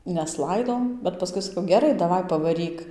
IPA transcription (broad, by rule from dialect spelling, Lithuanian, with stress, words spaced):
nʲɛˈslˠɐɪdoː bʲɛt pɐˈskʊɪ sɐˈkɐʊ ɡʲɛˈrɐɪ dɐˈʋɐɪ pɐʋɐˈrʲiːk